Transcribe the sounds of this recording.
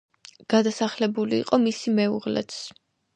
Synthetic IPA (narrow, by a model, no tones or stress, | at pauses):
ɡ̥ad̪asaχlɛbulḭːqʼɔmisimɛuʁlɛ̰t̪s